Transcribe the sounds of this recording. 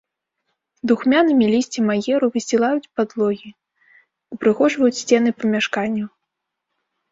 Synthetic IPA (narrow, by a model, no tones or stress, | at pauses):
d̪uxmʲanɨmʲilʲisʲt͡sʲimajɛɾuvɨsʲilˠajut͡sʲpad̪lˠɔɣʲi | ipɾɨxɔʐvɐjut͡sʲsʲt͡sʲɛnɨpɐmʲaʂkanʲːu